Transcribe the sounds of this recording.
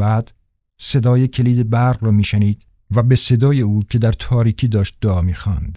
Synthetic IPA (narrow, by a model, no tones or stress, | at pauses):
bæːd̪̥ | se̞d̪ɒːje̞cʰe̞liːd̪e̞bæɾʁɾɒːmiːʃeniːd̪̥ | væbese̞d̪ɒːje̞uːcʰe̞d̪æɾt̪ʰɒːɾiːcʰiːd̪ɒːʃt̪̚d̪oɒːmiːxɒ̰ːnd̪̥